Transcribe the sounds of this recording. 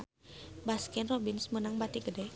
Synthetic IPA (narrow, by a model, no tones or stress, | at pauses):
baskɛnrobinsmənaŋbat̪iɡədɛ